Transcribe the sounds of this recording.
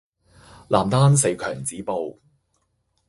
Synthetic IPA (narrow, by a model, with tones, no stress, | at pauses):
laː˨˩mt̪aː˥nse˨˧jkʰœː˨˩ŋt͡siː˨˥po˨˧w